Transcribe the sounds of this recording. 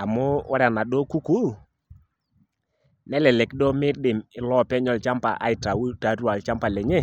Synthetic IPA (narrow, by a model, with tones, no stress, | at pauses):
a˨mʊ˦wa˦ɾa˨na˨dɔ˦ku˦ku˦ | nɛ˦lɛ˨lɛ˨kdɔ˦mɪ˦ɾdɪ˨mɪ˨lɔ˦pɛ˦ɲɔ˨lt͡ʃa˦mpa̰˨ʔa̰˨ɪ˨ta˨wu˦ta˨˦tu˦a˨lt͡ʃa˦mpa˨lɛ˨ɲɛ˦